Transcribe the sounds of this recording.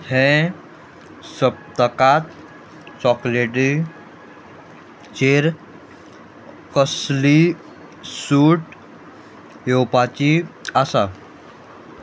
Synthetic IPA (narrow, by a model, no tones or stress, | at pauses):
hɛ̃ | səp̚t̪əkat̪ | t͡sɔkleʈi | t͡ɕeɾ | kəsli | suʈ | jowpat͡ɕiasa